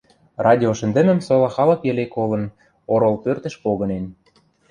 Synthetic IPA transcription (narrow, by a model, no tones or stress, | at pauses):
rɑdʲioʃə̆nd̪ə̆mə̆msolɑxɑlɤ̆kjɘlekolɤ̆n | oɾolpørt̪ə̆ʃpoɣɤ̆nen